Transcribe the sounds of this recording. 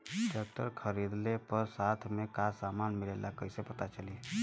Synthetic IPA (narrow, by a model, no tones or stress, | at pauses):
ɖək̚ʈ̪əɾkʰəɾid̪lepəɾsaːt̪ʰmẽkasaːmaːnmɪleːlakəisepɐt̪at͡ʃəliː